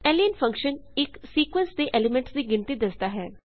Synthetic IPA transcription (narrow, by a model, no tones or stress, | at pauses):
eːlijənfʰɐ̃ŋkʃənɪksiːkwə̃nsd̪eʔeːlɪmẽɳʈsd̪iɡɪ̃ɳt̪id̪ɐsd̪aɦɛː